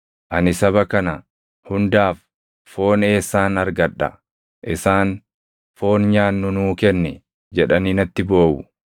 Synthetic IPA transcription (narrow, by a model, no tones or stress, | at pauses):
ʔɐnɪsɐbɐkɐnɐ | hʊnd̪aːf | fo̞ːne̞ːsːaːnɐɾɡɐᶑːɐ̰ | ʔɪsaːn | fo̞ːnɲaːnːʊnuːkɛnːɛ | d͡ʒɛᶑɐniːnɐt̪ːɪbo̞ːwʊ